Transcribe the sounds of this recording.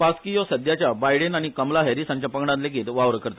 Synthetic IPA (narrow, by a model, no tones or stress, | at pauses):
paskijosəd̪jat͡ɕjabajɽenaɽ̃ikəmlaɦɛɾisãɲt͡ɕjapəɡɳãnleɡiːt̪ʋaʋɾəkəɾt̪a